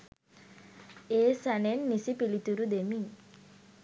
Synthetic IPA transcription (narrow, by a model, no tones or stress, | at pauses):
esanenːisipilit̪uɾud̪emiŋ